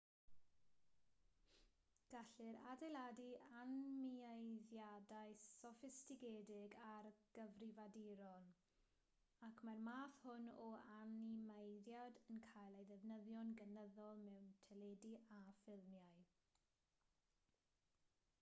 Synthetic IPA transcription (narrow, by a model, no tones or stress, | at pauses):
ɡ̥aɬɪɾadejlˠadianmiajðjadajsɔfɪstɪɡedɪɡarɡ̥əvrɪvadiɾɔn | akʰmarmaːθhʊnɔanimejðjadənkʰajlˠejðɛvnəðjɔnɡənəðɔlˠmɛwntʰɛlɛdiʔafɪlˠmjaj